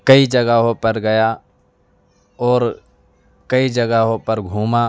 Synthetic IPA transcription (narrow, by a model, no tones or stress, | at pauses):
kɐid͡ʒəɡəɦopəɾɡɐja | ɔːɾ | kɐid͡ʒɐɡəɦõpɐɾɡʱuːma